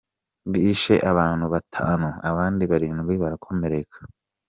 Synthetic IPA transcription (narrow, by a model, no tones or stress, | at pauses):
βiːʃe̞̰ʔaβaːn̥huβatʰa̰ːnuaβaːndiβaɾiːnuβiβaɾakʰo̞me̞ɾe̞kʰḁ